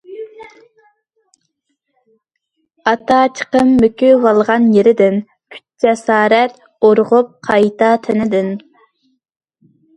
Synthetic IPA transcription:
ɑt̪ʰɑt͡ʃʰə̥qəmːøkʲʰywɑlˠʁɑnjeɾɪd̪ɪn | kʲʰy̥t̪̚d͡ʒɛsɑːɾɛt̪ | oɾʁʊp̚qʰɑjt̪ʰɑt̪ʰɪnɪd̪ɪn

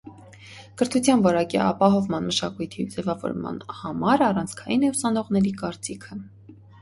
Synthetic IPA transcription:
kəɾt̪ʰut͡sʰjɑnvɔɾɑkḭɑ̰pɑɦɔvmɑnməʃɑkujt̪ʰid͡zɛvɑvɔ̰ɾmɑ̰nhɑmɑɾɑrɑnt͡sʰkʰɑjinɛusɑnɔʁnɛɾikɑɾt͡sikʰə

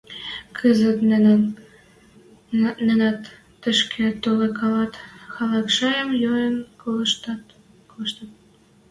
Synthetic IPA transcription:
kʰəzət̪nn | nĕnæt̪ː | ə̆ʃkʰet̪olekɑlɑt̪xɑlɑkʃɑjəmjojənkoləʃt̪ɑt̪ | koʃt̪ət̪̚

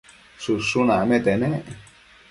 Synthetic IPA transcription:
susunãmẽt̪enẽʔ

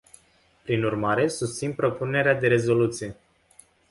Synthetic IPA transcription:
pɾinurmaɾe̞sust̪sinpɾo̞pune̞ɾead̪e̞ɾe̞zo̞lut̪sije̞

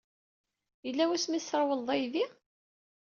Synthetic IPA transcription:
jəlːæwæsmisəɾˤwəðˤɑjði

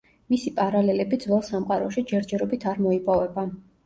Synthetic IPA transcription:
misipʼaɾalɛlɛbid̪zwɛlˠsamqʼaɾɔʃid͡ʒɛɾd͡ʒɛɾɔbit̪ʰaɾmɔipʼɔvɛba

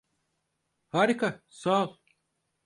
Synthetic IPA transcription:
haːɾikasaːlˠ

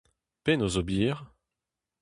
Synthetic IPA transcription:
penozobiːʁ

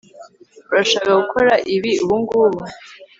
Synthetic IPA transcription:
uɾaʃakaɡukʰoɾaʔiβiuβuŋɡuβu

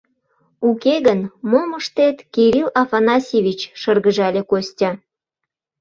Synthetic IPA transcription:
ukeɣənmoməʃt̪et̪kiɾilɑfɑnɑsʲiβʲit͡ɕʃɤrɣəʒɑlʲekostʲɑ

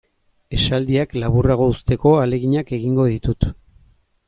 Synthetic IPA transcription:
e̞sald̪iaklaβuraɣ̞o̞ust̪e̞ko̞ale̞ɣiɲake̞ɣiŋɡo̞ðit̪ut̪

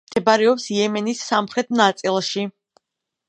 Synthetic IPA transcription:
d̪ɛbaɾɛɔpsjɛmɛnisːamχɾɛt̪̚ʰnat̪sʼilˠʃi

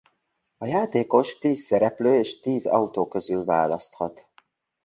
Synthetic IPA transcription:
ɒjaːt̪eːko̞ʃt̪iːsːɛɾɛpløːeːʃt̪iːzɒ̰ut̪oːkøzylva̰ːlɒst̪hɒt̪

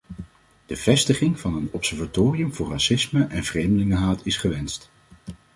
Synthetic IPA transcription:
d̥əv̥ɛstəχɪŋv̥ɑnənɔpsɛɹvatoːrijəmvʊːɹrasɪsməʔɛnv̥rejmdəlɪŋəɦaːtʰɪsχəʋɛnst

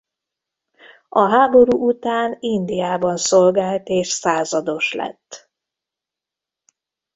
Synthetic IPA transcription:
ɒɦaːbo̞ɾuːʔut̪aːnind̪ijaːbɒnsolɡaːlt̪eːʃsaːzɒd̪o̞ʃlɛ̰t̪ː

